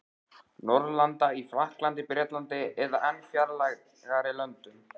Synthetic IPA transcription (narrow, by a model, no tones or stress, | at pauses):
nɔɾðlant̪aiflahklant̪ɪpɾjɛːt̪lant̪ɪɛðaʔɛnfjaɾlaɣ | ɣaɾɪlœnt̪ʏm